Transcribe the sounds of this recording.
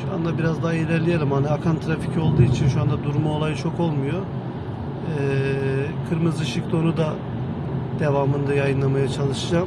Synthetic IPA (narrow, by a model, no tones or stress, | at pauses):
ʃua̰nd̪abiɾazd̪aɦajelʲɛɾlʲijelʲimhaniakʰant̪ʰɾafi̥cʰio̞lˠd̪uːit͡ʃʰinʃuand̪ad̪uɾmaolˠajt͡ʃʰo̞ko̞lˠmujo̞ | ɛːkʰɯɾmɯzɯʃɯkd̪o̞nud̪a | d̪̥e̞vaːmɯnd̪ajajɯnlˠamajat͡ʃʰalˠɯʃɯd͡ʒam